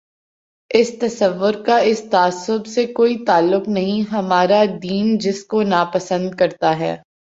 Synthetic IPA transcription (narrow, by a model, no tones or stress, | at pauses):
ɪst̪ɐsɐʋːʊɾkaɪst̪aːsːʊbsekoːit̪aːlːʊqnɐɦĩɦɐmaːɾad̪iːnd͡ʒɪskonaːpɐsə̃nd̪̚kɐɾt̪aɦɛ̰ː